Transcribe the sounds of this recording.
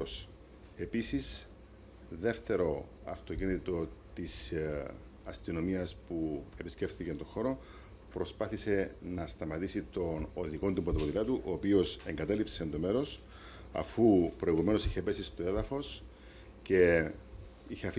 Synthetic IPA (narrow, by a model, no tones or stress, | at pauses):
s | e̞pisis | ðe̞ft̪e̞ɾo̞ | ɐ̰ft̪o̞cinit̪o̞t̪is | ɐst̪ino̞miɐspue̞pisce̞fθicent̪o̞xo̞ɾo̞ | pɾo̞spɐθise̞nɐst̪ɐmɐt̪isit̪o̞noðiko̞nt̪umpot̪opot̪ilɐt̪uʔoːpio̞seŋɡɐt̪ɐlipsend̪o̞me̞ɾo̞s | ɐ̰fupɾo̞iɣume̞no̞siçepe̞sist̪oe̞ðɐfo̞s | ce̞ | içeɐf